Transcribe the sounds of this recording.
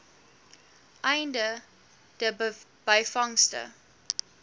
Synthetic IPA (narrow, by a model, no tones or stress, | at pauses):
ʔajndə | d̥ə | b̥ajfaŋstə̰